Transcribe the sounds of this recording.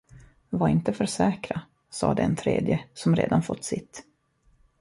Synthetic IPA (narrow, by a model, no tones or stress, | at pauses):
vaɾɪnt̪əfœɾʂɛːkɾa | sɑ̰ːd̪ɛɛnt̪ʰɾḛːd̪jəsɔmɾḛːd̪anfɔt̪ːsɪt̪ː